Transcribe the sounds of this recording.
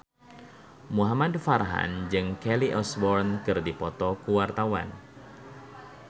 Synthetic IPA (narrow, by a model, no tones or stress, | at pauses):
muɦamadfarɦa̰nd͡ʒɨŋkɛliʔɔsbɔrnkɨrdipɔt̪ɔkuwart̪awa̰n